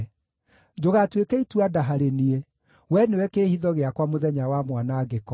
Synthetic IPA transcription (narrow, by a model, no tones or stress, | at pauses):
d͡ʒoɣatwekɛitwadaɦaɾenie | wɛnewɛkeːhiðɔɣeakwamoðɛɲawamwanaːɡekɔ